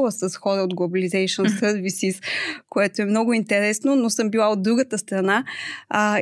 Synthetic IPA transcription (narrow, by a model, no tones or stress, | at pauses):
lˠəsəsxɔɾəod̪̚ɡlˠobɐlizɛjʃonsəɾvisiskoɛt̪oɛmnɔɡʊint̪ɛɾɛsnonosɤmbilˠaod̪̚ːɾuɡət̪əst̪ɾɐna